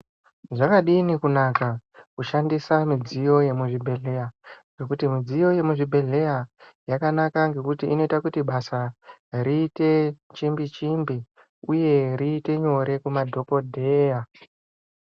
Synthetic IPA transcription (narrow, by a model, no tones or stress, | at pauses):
ʐakaɗinikunakakuʃandisamid͡zijo̞je̞muʐibʱe̞ɮe̞jaɡe̞kutimid͡zijo̞je̞muʐibʱe̞ɮe̞jajakanakaŋɡe̞kutiʔḭno̞itakutiɓasaɾiːte̞t͡ʃimbit͡ʃimbi | uje̞riːte̞ɲo̞ɾe̞kumadʱo̞ko̞dʱe̞ːja